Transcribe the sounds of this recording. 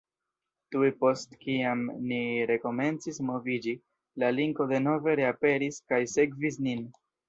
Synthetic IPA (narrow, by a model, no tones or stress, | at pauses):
tuepo̞stkiamniɾe̞ko̞me̞nt͡sismo̞vid͡ʒi | laliŋko̞de̞no̞ve̞ɾe̞ape̞ɾiskajse̞ɡvisnin